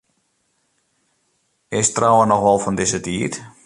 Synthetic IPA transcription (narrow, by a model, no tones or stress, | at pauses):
ɪstrawənɔxʋɔlˠfɔndɪsətiːt